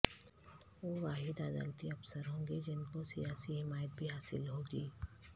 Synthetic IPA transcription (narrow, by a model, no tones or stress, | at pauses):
ʋoːʋaːɦɪd̪aːd̪a̰ːlt̪iɐfsəɾɦõːɡed͡ʒɪnkosijaːsiɦɪmaːjət̪̚bʱiɦaːsɪ̰lɦoːɡiː